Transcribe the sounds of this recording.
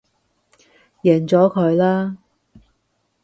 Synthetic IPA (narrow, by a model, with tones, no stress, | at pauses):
jɛː˨˩nt͡sɔː˨˥kʰɵ˨˧ɥlaː˥